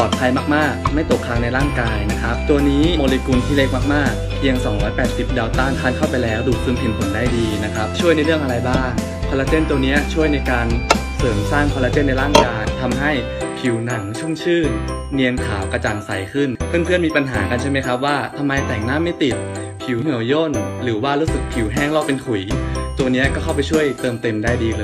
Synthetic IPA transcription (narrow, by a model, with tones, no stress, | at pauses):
pɔː˨˩pʰa˧jmaː˥˩k̚maː˥˩k̚ma˥˩jt̪o˨˩kʰːa˧˥ŋna˧jɾaː˥˩ŋkaː˧jna˦˥kʰa˦˥p̚t̪u˧ənːiː˦˥moː˧li˧ku˧nt̪ʰiː˥˩le˦˥k̚maː˥˩k̚maː˥˩k̚ | pʰi˧əŋsɔː˩˦ŋɾɔː˦˥jpɛː˨˩t̪̚si˨˩p̚daː˧wt̪aː˥˩nkʰaː˥˩nkʰa˥˩wpa˧jlɛː˦˥wduː˨˩k̚sʰɯ˧npʰe˨˩˦npʰo˨˩˦ndaː˥˩jdiː˧na˦˥kʰa˦˥p̚t͡ɕʰu˥˩jna˧jɾɯ˥˩əŋʔa˧ɾa˧jbaː˥˩ŋ | kʰɔː˧la˧˥t͡ɕe˥˩nt̪u˧əni˦˥ɐt͡ɕʰu˥˩əjna˧jkaː˧n | sɤː˩˦msaː˥˩ŋkʰɔː˧la˧˥t͡ɕeː˥˩nːa˧jɾaː˥˩ŋkaː˧jt̪ʰa˧mɦa˥˩j | pʰi˨˩˦wna˩˦ŋt͡ɕʰu˥˩˨ŋt͡ɕʰɯː˥˩ | ni˧ənkʰaː˩˦wka˧t͡ɕaː˧nsa˨˩˦jkʰɯ˥˩npʰɯ˥˩˨npʰɯ˥˩ənmiː˧pa˧nɦaː˩˦ka˧nt͡ɕʰa˥˩ma˦˥jkʰɾa˦˥p̚waː˥˩t̪ʰa˧mːa˧jt̪ɛː˨˩ŋnaː˥˩mːa˥˩jt̪i˨˩t̪̚ | pʰi˨˩˦wŋɯ˨˩˦əwjo˥˩nɾɯː˩˦waː˥˩ɾuː˦˥sɯ˨˩k̚pʰi˨˩˦wɦɛː˥˩ŋlɔː˥˩k̚pe˧nkʰu˨˩˦jt̪u˧əni˦˥ɐkɔː˥˩kʰwpa˧jt͡ɕʰu˥˩əjt̪ɤː˧mt̪e˧mdaː˥˩jdiː˧lɤː˧